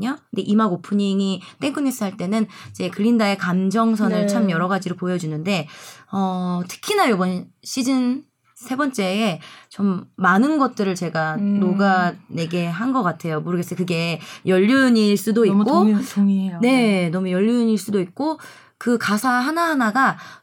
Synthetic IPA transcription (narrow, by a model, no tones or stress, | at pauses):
ondeʔimaɡopʰɯɲiŋit͈e̞ŋk͈ɯnes͈ɯɦaɭt͈e̞nɯnid͡ʑe̞kɯʎːindae̞kamd͡ʑʌŋsʰʌnɯɭt͡ɕʰamjʌɾʌɡad͡ʑiɾopojʌd͡ʑunɯnde̞ʌtʰɯ̥kʰinajobʌnɕʰid͡ʑɯn | sʰe̞bʌnt͡ɕ͈e̞ːt͡ɕomːanɯnɡʌt̚t͈ɯɾɯɭt͡ɕe̞ɡanoɡane̞ɡe̞ɦanɡʌk͈atʰe̞jomoɾɯɡe̞s͈ʌkɯɡe̞jʌʎːuɲiɭs͈udoikk͈o | ne̞nʌmujʌʎːuɲiɭs͈udoik̚k͈o | kɯkasʰaɦanaɦanaɡa